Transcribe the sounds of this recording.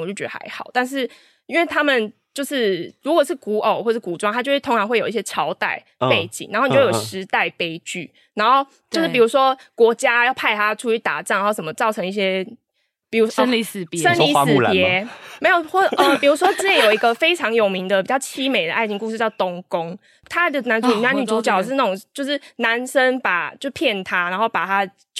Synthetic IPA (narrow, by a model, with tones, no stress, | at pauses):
t͡ɕo˥˩t͡ɕɛ˦˥ə˨˩a̰˧˥ɪxɑ̰˨˩ʊt̪a˥˧nʂ̬ɻ̩˥˩ | i˥nwe˥˩ɪt̪ʰa˥mə˨nt͡ɕjo˥˧ʊʂɻ̩˥˩ɻu˧˥kwɔ˨˩ʂɻ̩˥˩ku˧˥ʔo˨ʊxwɔ˥˩ə˩ʂɻ̩˥˩ku˨˩ʈ͡ʂwa˥˦ŋt̪a˥t͡ɕo˥˧ʊʂɻ̩˥˩t̪ʰŋʈ͡ʂʰɑ˧˥ŋxwe˥˩jo˨˩˦i˧ɕjɛ˥ʈ͡ʂʰɑ˧˥ʊt̪a˥˧ɪpe˥˩ɪt͡ɕḭ˨˩ŋna˨˦xn˨˥jʂʂɻ̩˧˥t̪a˥˩ɪpe˥ɪt͡ɕy˥˩ | na˧˥ŋxo˥˩ʊ | t͡ɕjo˥˧ʊʂɻ̩˥˩pi˨˩u˨˦˥ʂwɔ˦˥kwɔ˧˥t͡ɕja˥jɑ˥˩ʊpʰa˥˧ɪt̪ʰa˦ʈ͡ʂʰu˧˥y˧˥t̪a̰˨˩ʈ͡ʂa˥˩ŋna˧˦xo˥˩ʂə˩mə˩t͡sɑ˥˩ʊɤ˧˥ŋi˥˩ɕjɛ˥ | pi˨˩u˧˥ʂli˧˩s̩˨˩pjsə˦˥nli˧˥s̩˦˩˨pjɛ˧˦me˧˥ɪjo˨˩ʊɔ˥˧ʔə˨pi˨˩ɻu˧˥ʂwɔ˥t͡s̩˥˩t͡ɕɛ˧˥njo˨˩ʊi˧˥ɡə˧fe˥ɪʈ͡ʂʰɑ˧˥ŋjo˨˩ʊmi˧˥ŋd̪ə˧pi˨˩t͡ɕjɑ˥˩ʊt͡ɕʰi˥me˨˩ɪd̪ə˩ʔa˥˧ɪi˧ŋku˧ʂ̬ɻ̩˧t͡ɕjɑ˥˧ʊt̪o˥ŋkʊ˦ŋ | t̪ʰa˦d̪ə˨na˧˦nu˨˩na˥ny˨˩t͡su˧˥t͡ɕjɑ˨˩ʊʂ̬ɻ̩˥˧na˥˩o˨˩ŋt͡ɕjo˥˧ʊʂɻ̩˥˩na˧˦nsə˦˥npa˨˩t͡ɕjo˥˧pʰjɛ˥˩nt̪ʰa˥na˧˥nxo˥˩ʊpa˨˩t̪ʰa˦˥